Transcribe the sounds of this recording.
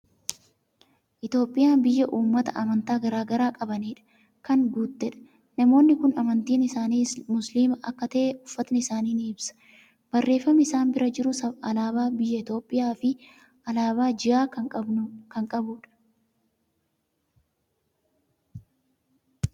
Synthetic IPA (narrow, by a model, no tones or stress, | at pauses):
ʔɪt̪o̞ːpʼːɪjaːnbɪjːɐʔuːmːɐt̪ɐʔɐmɐnt̪aːɡɐɾaːɡɐɾaːkʼɐbɐniːᶑɐ̥ | kɐŋɡuːt̪ːɛᶑɐ̥ | nɐmo̞ːnːɪkʊnɐmɐnt̪iːnɪsaːniːmʊsliːmɐʔɐkːɐt̪ɐʔeʊfːɐt̪nɪɪsaːniːnɪɪbsɐ̥ | bɐrːe̞ːfːɐmɪɪsaːnbɪɾɐd͡ʒɪɾʊsɐɐlaːbaːbɪjːɐɪt̪o̞ːpʼːɪjaːfɪ | ʔɐlaːβaːd͡ʒɪaːkɐkɐŋkʼɐbʊᶑɐ̥